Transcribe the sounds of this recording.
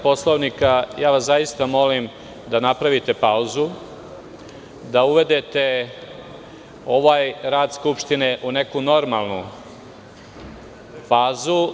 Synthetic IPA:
po̞slˠoʋnikajaːʋaszajist̪amo̞lim | d̪anapɾaʋit̪e̞pauzu | d̪auʋe̞d̪et̪e̞ | o̞ʋaːjɾaːd̪skupʃt̪ine̞ʔune̞kuno̞ɾmalˠnu | faːzu

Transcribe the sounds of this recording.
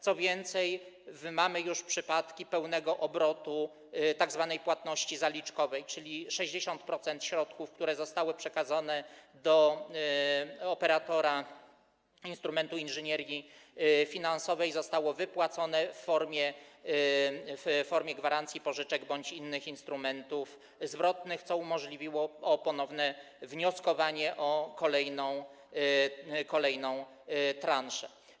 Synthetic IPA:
t̪sɔvʲjɛnt̪sɛj | vmamɘjuʂpʂɘpat̪kʲipɛwnɛɡɔʔɔbɾɔt̪u | t̪aɡzvanɛjpwat̪nɔɕt͡ɕizalʲit͡ʂkɔvɛjt͡ʂɘlʲiʂɛʑd͡ʑeɕɔnt̪̚pɾɔt̪sɛnt̪ɕɾɔt̪kufkt̪uɾɛzɔst̪awɘpʂɛkad̪zɔnɛd̪ɔ | ɔpɛɾat̪ɔɾa | inst̪ɾumɛnt̪uinʐɘɲɛɾjifʲinansɔvɛjzɔst̪awɔvɘpwat̪sɔnɛfːɔɾmʲjɛ | fːɔɾmʲjɛɡvaɾant̪sʲjipɔʐɘt͡ʂɛɡbɔɲt͡ɕinːɘxinst̪ɾumɛnt̪uf | zvɾɔt̪nɘxt̪sɔumɔʐlʲivʲiwɔːpɔnɔvnɛ | vɲɔskɔvaɲɛʔɔkɔlɛjnɔ̃w̃ | kɔlɛjnɔ̃w̃ | t̪ɾanʂɛ

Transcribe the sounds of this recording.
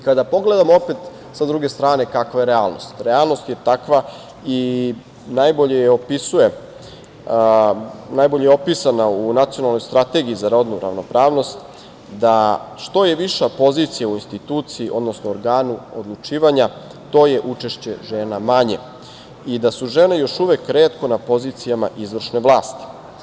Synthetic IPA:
ikad̪apo̞ɡle̞d̪amoopet̪ | sad̪ɾuɡe̞st̪ɾaːne̞kakʋajeɾeaːlˠno̞̰st̪ɾealˠno̞st̪je̞t̪akʋa | i | najbo̞ʎejeo̞pisuje̞ | najbo̞ʎejeo̞piːsanaunat̪sijo̞nalˠno̞jst̪ɾat̪e̞ɡiizaɾo̞d̪nuɾa̰ʋno̞pɾaːʋno̞st̪ | d̪aʃt̪o̞je̞ʋiʃapo̞ziːt̪sijauinst̪it̪uːt̪siːʔo̞d̪nosnooɾɡaːnuo̰d̪lˠut͡ʃiːʋaɲa | t̪o̞ːje̞ʔut͡ʃe̞ʃt͡ɕe̞ʒe̞ːnamaɲe̞̰ | id̪asuʒe̞ːnejo̞ʃuʋekːɾeːt̪ko̞napo̞ziːt̪sijama̰ʔizʋr̩ʃne̞ʋlˠaːst̪i̥

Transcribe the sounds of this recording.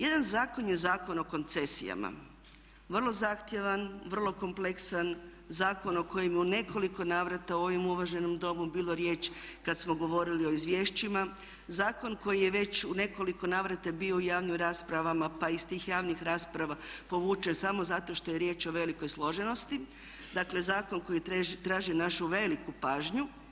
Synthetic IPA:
je̞d̪anzaːko̞njezaːko̞no̞ko̞nt̪se̞sḭja̰ma̰ | ʋr̩lˠo̞zaxt̪je̞ʋanʋr̩lˠo̞ko̞mple̞ksan | zaːko̞no̞ko̞jemjeune̞kʰo̞liko̞naːʋɾat̪auo̞ʋimuʋaʒe̞nomd̪o̞mubiːlˠo̞ɾje̞ːt͡ʃkad̪smo̞ɡo̞ʋo̞ɾilio̞izʋjeʃt͡ɕima | zaːko̞nko̞jijeʋe̞t͡ɕune̞ko̞liko̞naːʋɾat̪ebioujaːʋnimɾaːspɾaʋamapaist̪iːxjaːʋnixɾaːspɾaʋapo̞ʋuːt͡ʃensamo̞zat̪o̞ʃt̪o̞je̞ɾje̞ːt͡ʃo̞ʋe̞liko̞jslˠo̞ʒe̞no̞st̪i | d̪akle̞zaːko̞nko̞jit̪et̪ɾaːʒinaʃuʋe̞likupaːʒɲu

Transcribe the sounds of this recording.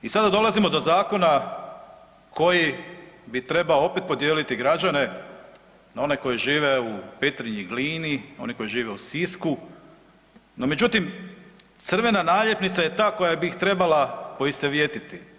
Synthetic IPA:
isad̪ad̪o̞lˠazimo̞d̪o̞zaːko̞na | ko̞jibit̪ɾe̞baoo̞pe̞t̪po̞d̪jeːlit̪iɡɾad͡ʑane̞ | nao̞ne̞ko̞jiʒiːʋe̞upet̪ɾiɲiɡliːnio̞̰niko̞jiʒiːʋe̞usisku | no̞me̞d͡ʑut̪im | t̪sr̩ʋe̞nanaːʎje̞pnit̪saje̞t̪aːko̞jabiːxt̪ɾe̞balapo̞ist̪eʋjet̪it̪i

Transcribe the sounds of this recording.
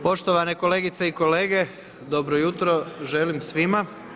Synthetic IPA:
po̞ʃt̪oʋaneko̞leːɡit̪seiko̞le̞ːɡe̞ | d̪o̞bɾojut̪ɾo̞ʒelimsʋima

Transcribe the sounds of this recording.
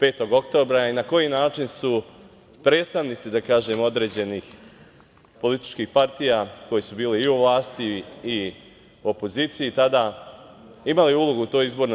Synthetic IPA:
pe̞ːt̪o̞ɡo̞kt̪o̞ːbɾainako̞jinaːt͡ʃinsu | pɾe̞ːt̪st̪aʋnit̪sid̪akaːʒe̞mo̞d̪ɾe̞ːd͡ʑe̞nix | po̞lit̪i̥t͡ʃkiːxpaɾt̪ijako̞jisubiːliiuʋlˠaːst̪iː | uo̞po̞ziːt̪sijit̪ad̪a | imaliulˠoɡuːt̪o̞ːjizbo̞ɾn

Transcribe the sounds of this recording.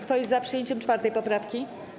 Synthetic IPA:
kt̪ɔjɛzzapʂɨjeɲt͡ɕɛmt͡ʂfaɾt̪ɛjpɔpɾafkʲi

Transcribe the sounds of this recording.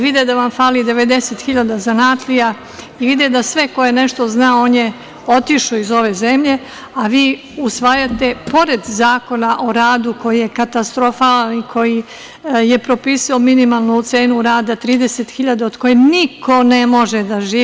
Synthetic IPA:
ʋid̪ed̪aʋamfaːlid̪e̞ʋe̞d̪e̞set̪xiʎad̪azanaːt̪lija | iʋid̪ed̪asʋe̞ko̞jene̞ʃt̪o̞znaooːnje | o̞t̪iʃuizo̞ʋe̞zemʎe̞ | aʋiː | usʋaːjat̪e̞po̞ɾe̞d̪zaːko̞naʔo̞ɾaːd̪uko̞jije̞kat̪ast̪ɾofaːlanikʰo̞ji | jepɾo̞piːsiominimalˠnut̪se̞ːnuɾaːd̪at̪ɾiːd̪e̞set̪xiʎad̪aod̪̥ko̞jeniko̞ne̞mo̞ʒed̪aʒiː

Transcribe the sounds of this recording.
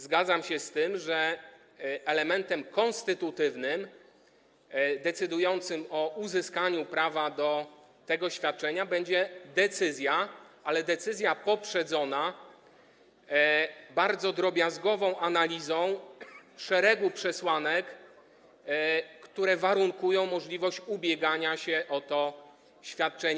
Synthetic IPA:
zɡad̪zamɕɛst̪ɘmʐɛ | ɛlɛmɛnt̪ɛmkɔnst̪ɘt̪ut̪ɘvnɘm | d̪ɛt̪sɘd̪ujɔnt̪sɘmɔuzɘskaɲupɾavad̪ɔ | t̪ɛɡɔɕfʲjat̪̚t͡ʂɛɲabɛɲd͡ʑɛd̪ɛt̪sɘzʲjaʔalɛd̪ɛt̪sɘzʲjapɔpʂɛd̪zɔna | baɾd̪zɔd̪ɾɔbʲjazɡɔvɔ̃w̃ʔanalʲizɔ̃w̃ʂɛɾɛɡupʂɛswanɛk | t̪uɾɛvaɾuŋkujɔ̃w̃mɔʐlʲivɔɕt͡ɕubʲjɛɡaɲaɕɛʔɔt̪ɔ | ɕfʲjat̪̚t͡ʂɛɲ

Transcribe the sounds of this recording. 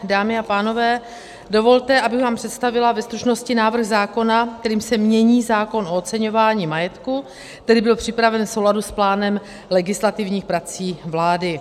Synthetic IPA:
daːmɪapaːno̞vɛː | do̞vo̞lt̪ɛʔabɪɣvaːmpr̥ɛt̪st̪avɪlavɛst̪ɾuʃno̞scɪnaːvr̩ɣzaːko̞nak̚t̪ɛɾiːmsɛmɲɛɲiːzaːko̞nʔo̞ot̪t͡sɛɲo̞vaːɲiːmajɛt̪ku | t̪ɛdɪbɪlpr̝̥ɪpɾavɛnfsowladusplaːnɛm | lɛɡɪslat̪ɪvɲiːxpɾat͡siːvlaːdɪ

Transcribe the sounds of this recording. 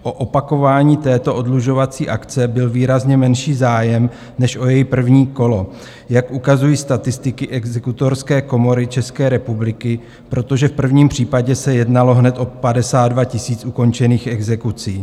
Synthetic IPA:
ʔoʔo̞pako̞vaːɲiːt̪ɛːt̪o̞ʔodluʒo̞vat͡siːʔakt͡sɛbɪlviːɾazɲɛmɛnʃiːzaːjɛm | nɛʃʔo̞jɛjipr̩vɲiːko̞lo̞ | jakʔukazujiːst̪at̪ɪst̪ɪkɪʔɛɡzɛkut̪o̞ɾskɛːko̞mo̞ɾɪt͡ʃɛskɛːɾɛpublɪkɪ | pɾo̞t̪o̞ʒɛfpr̩vɲiːmpr̝̥iːpaɟɛsɛjɛdnalo̞ɦnɛt̪ʔo̞padɛsaːd̪̚dvacɪsiːt͡sʔuko̞nt͡ʃɛniːxɛɡzɛkut͡siː

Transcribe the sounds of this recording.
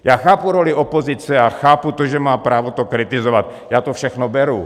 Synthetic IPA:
jaːxaːpuɾolɪopozɪt͡sɛaxaːput̪oʒɛmaːpɾaːvot̪okɾɪt̪ɪzovat̪̚ | jaːt̪ofʃɛxnobɛɾu

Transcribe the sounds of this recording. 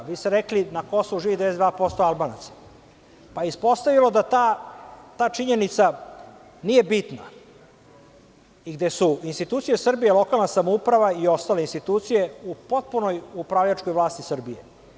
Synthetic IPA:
ʋiːst̪eɾeklinako̞soʋuʐiːʋid̪esed̪vaːpo̞st̪oalbaːnat̪sḁ | pajeispo̞st̪aʋilo̞d̪at̪at̪aːt͡ʂiɲe̞nit̪sa | nije̞bit̪na̰ | iɡd̪e̞suinst̪it̪uːt̪sijesr̩bijelo̞kalˠnasamoupɾaʋaio̞st̪aleinst̪it̪uːt̪sije̞upo̞t̪̚puno̞jupɾaʋʎaʈ͡ʂko̞jʋlˠaːst̪isr̩bijḛ

